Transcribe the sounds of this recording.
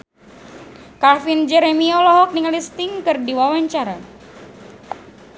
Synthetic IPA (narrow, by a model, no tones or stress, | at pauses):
kafind͡ʒɛɾemiɔlɔɦɔk̚niŋalist̪ɪŋkɨrdiwawaɲt͡ʃaɾa